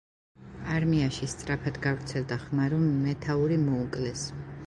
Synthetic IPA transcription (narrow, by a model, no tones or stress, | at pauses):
aɾmiaʃist̪sʼɾapʰad̪ɡavɾt̪sʰɛld̪aχmaɾɔmːɛt̪ʰauɾimɔukʼlɛs